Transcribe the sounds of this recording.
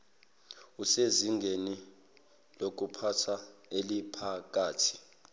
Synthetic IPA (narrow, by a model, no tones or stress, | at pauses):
useziŋɡʱeni | lok̬upʰatʰaelipʰak̬ʼaːtʰi̥